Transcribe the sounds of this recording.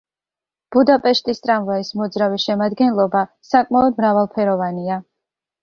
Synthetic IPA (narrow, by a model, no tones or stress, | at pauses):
b̥ud̪apʼɛʃt̪ʼist̪ʼɾamvaismɔd̪zɾaviʃɛmad̪ɡɛnlˠɔba | sakʼmaɔd̪̚mɾavalˠpʰɛɾɔvania